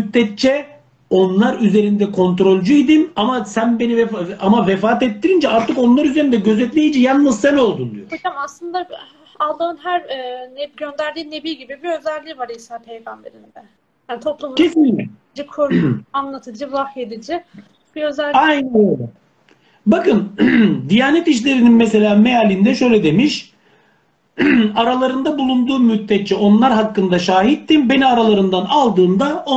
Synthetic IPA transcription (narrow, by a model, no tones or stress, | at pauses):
yt̪ːɛt̪̚t͡ʃʰɛ | o̞nlˠaɾyze̞ɾind̪ɛkʰo̞nt̪ɾo̞lʲd͡ʒuid̪inamasænbe̞nivɛamavɛfaːt̪ɛt̪ːiɾind͡ʒɛaɾt̪ʰɯko̞nlˠaɾyzeɾind̪ɛɟø̞zɛt̪lʲejid͡ʒɛjanːˠɯzseno̞lˠd̪und̪y̰joed͡ʒamaslˠɯnd̪a | alˠd̪ˠaɯnɦæɾːnɛɟø̞nd̪æɾd̪iːne̞biːɟibibiø̞zælʲːiːvaɾisapʰe̞jɡambe̞ɾind̪ɛ | janit̪ʰo̞plˠumcʰesinlʲic | d͡ʒɯkʰoɾanlˠat̪ʰɯd͡ʒɯvahjed̪id͡ʒɪ | b̥iø̞zælʲajnɛ | bakɯnd̪ijaːnɛt̪iʃ̬lʲe̞ɾininmɛs̬e̞lʲaːme̞jalʲind̪ɛʃø̞jlʲɛd̪e̞miʃ | aɾalˠaɾɯnd̪abulˠund̪uːmyt̪ːɛt͡ʃːio̞nlˠaɾɦakːɯnd̪aʃaːɦit̪ːinbe̞niaɾalˠaɾɯnd̪analˠd̪ɯːnd̪ao